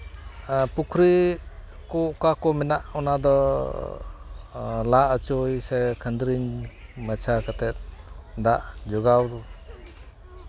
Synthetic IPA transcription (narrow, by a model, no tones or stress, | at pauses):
pukʰɾi | kɔkakɔminaʔɔnadɔ | laʔət͡ʃojsajkʰənd̪ɾiŋmat͡ʃʰakatet̪̚daʔd͡ʒɔɡaw